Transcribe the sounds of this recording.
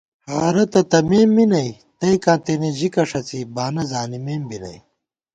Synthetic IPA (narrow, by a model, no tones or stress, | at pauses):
haːɾɐt̪ɐt̪ɐmeːmːinɐj | t̪ɐikãːt̪enid͡ʑikɐʂɐt͡sibaːnɐzaːnimeːmbinɐ̰j